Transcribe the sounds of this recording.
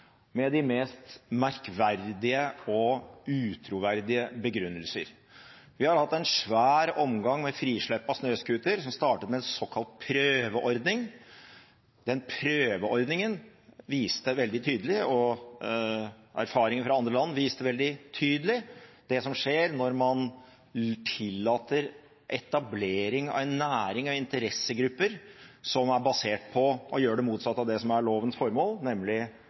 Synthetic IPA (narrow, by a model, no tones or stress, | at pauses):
mɛd̪ɪmeːst̪mæɾkʋæɾdd̪ɪəɔʉːt̪ʰɾuʋæɾd̪ɪəbəɡɾʉnːəlsə̰ɾ | ʋɪhɑɾhɑt̪ːɛnʂʋæːɾɔmɡɑŋmɛfɾiːʂɭɛpːɑsnøːskʉːt̪əɾsɔmst̪ɑːʈət̪mɛɛnsɔːkʰɑlt̪̚pʰɾøːʋəʔɔɾd̪nɪŋ | d̪ɛnpʰɾøːʋəɔɾd̪nɪŋənʋiːst̪əʋɛld̪ɪt̪ʰyːd̪əlɪɔ | æ̰ɾfɑːɾɪŋənfɾɑɑnd̪ɾəlɑnːʋiːst̪əʋɛld̪ɪt̪ʰyːd̪əlɪd̪̥ɛsɔmʂeːɾnɔɾmɑn | t̪ʰɪlːɑːt̪əɾ | ʔɛt̪ɑbleːɾɪŋɑ̰ʋɛnːæːɾɪŋɑʋɪnt̪əɾɛsːəɡɾʉpːəɾsɔmæɾbɑseːʈpʰɔʔɔjøːɖɛmuːt̪sɑt̪ːɑʋd̪ɛsɔmæɭoːʋənsfɔɾmoːlnɛmlɪ